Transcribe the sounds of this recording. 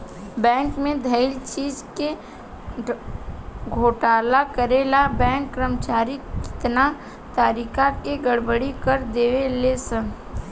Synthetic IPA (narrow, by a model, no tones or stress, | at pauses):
bɛ̃ːŋkmẽd̪ʱəɪlt͡ʃiːd͡ʒke | ɡʱoːʈaːlakəɾelabɛ̃ːŋkːɾəmt͡ʃaːɾikɪ̥t̪na | t̪aːɾikakeɡəɽbəɽikəɾd̪eːʋelesə